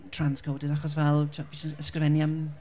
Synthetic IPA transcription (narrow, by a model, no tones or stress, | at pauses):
tʰranskʰowdɪdaχɔs̬vɛlˠtʰavisəskɾɪvɛnjam